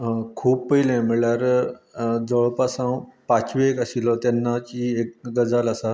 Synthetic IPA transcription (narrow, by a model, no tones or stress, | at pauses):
kʰuːp̚pəilɛ̃miɭaɾ | d͡zɔɭpasãwpat͡ɕʋiekasilɔt̪ɛnːat͡ɕiek̚ɡəd͡zalasa